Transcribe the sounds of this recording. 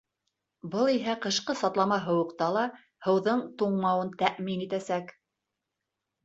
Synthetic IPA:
bɤlˠiɦæqɤ̆ʃqɤsɑt̪lˠɑmɑɦɤ̆wɤ̆qt̪ɑlˠɑ | hɤ̆wðɤɴt̪uɴmɑwɤnt̪æʔminit̪æsæk

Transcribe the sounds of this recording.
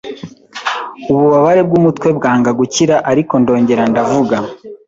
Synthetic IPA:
uβuβaβaɾe̞b̚ɡumutwe̞bɡaːŋɡaɡuciɾaʔaɾiko̞ndo̞ːɲɟe̞ɾandavuɡa

